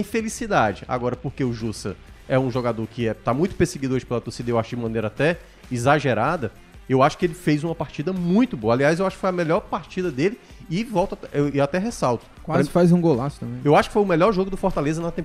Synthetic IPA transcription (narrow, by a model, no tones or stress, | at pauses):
ĩfelisid̪ad͡ʒɪa̰ɡɔɾɐpoɾkeʊʒusɐɛũʒoɡad̪oɾkɪɛt̪amũj̃t̪ʊ̥peɾseɡid̪oɾd͡ʒɪ̥pelɐt̪osed̪ewaʃʊkd͡ʒɪmɐ̃nejɾɐat̪ɛ | izaʒeɾad̪ɐ | ewaʃʊ̥kɪelɪfejzũmɐpaɾt͡ʃid̪ɐmũj̃t̪ʊbõɐaliajzewaʃʊkɪfojɐmɛʎɔɾpaɾt͡ʃid̪ɐd̪elɪ | ɪvɔwt̪aɪat̪ɛɦɛsawt̪ʊ̥kwazɐɪfajzũɡolasʊ̥t̪ɐ̃mẽewaʃʊkɪ̥fojʊmɛʎɔɾʒoɡʊd̪ʊfoɾt̪alezɐnɐt̪ẽp